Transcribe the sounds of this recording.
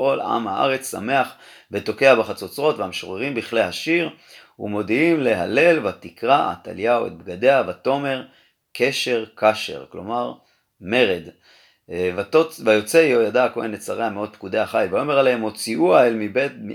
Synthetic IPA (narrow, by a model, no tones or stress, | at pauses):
o̞la̰mha̰ʔa̰ʁe̞t͡ssa̰me̞aχvet̪o̞ke̞abaχat͡sot͡sʁo̞t̪veamʃoʁeʁimbiχlehaʃiʁ | hṵmo̞d̪iimle̞ɦale̞lvat̪ikʁaa̰t̪a̰ljawḛt̪̚bɡad̪e̞avat̪o̞me̞ʁ | ke̞ʃe̞ʁkaʃe̞̰ʁklo̞̰maʁ | me̞ʁed̪ | vat̪ovajo̞t͡seijo̞jadakoenet͡saʁeameo̞d̪̚pkud̪eaχajvajo̞me̞ʁalaemo̞t͡siʔuaelmibet